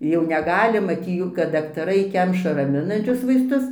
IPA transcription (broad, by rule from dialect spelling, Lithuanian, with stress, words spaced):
jɛʊ nʲɛˈɡɑːlʲɪ ˈmɑːtʲɪ ˈjuː kɐt dɐktɐˈrɐɪ ˈkʲɛmʃɐ rɐˈmʲɪnɐnʲt͡ʃʲʊs ʋɐɪsˈtʊs